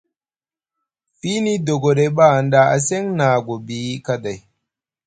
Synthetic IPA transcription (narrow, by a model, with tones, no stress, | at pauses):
fi˦ni˦do˨ɡɔ˨de˦ba˦a˨n˦da˦ʔa̰˨sɛ˦ŋna˨ɡo˨bi˦ka˦da˨j